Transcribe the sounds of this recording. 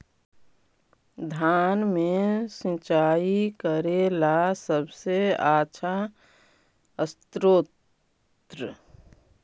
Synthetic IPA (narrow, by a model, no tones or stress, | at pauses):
d̪ʱaːnmesĩt͡ʃaːikəɾelasəbseaːt͡ʃʰa | əst̪ɾoː | t̪ɾə